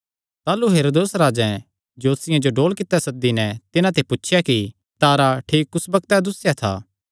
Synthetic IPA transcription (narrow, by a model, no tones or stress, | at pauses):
t̪aːluɦeːɾoːd̪oːsɾaːd͡ʒɛ̃ | d͡ʒoːsɪjãd͡ʒoɖoːlkɪt̪ːɛsɐk̚d̪inɛt̪ɪnãt̪ʰepʊtːʰɪjaki | t̪aːɾaʈʰiːkːʊsbɐk̚t̪ɛd̪ʊsjat̪ʰa̰ː